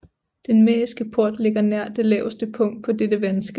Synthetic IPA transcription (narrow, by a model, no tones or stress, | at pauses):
d̥enmɛːisɡ̥əpʰo̝ɐ̰d̥le̝ɡ̥ɐnæɐ̰d̥e̝lɛ̰ːʊsd̥əpʰɔ̽ŋ̰d̥̚pʰɒ̽ded̥əʋænəsɡ̥ə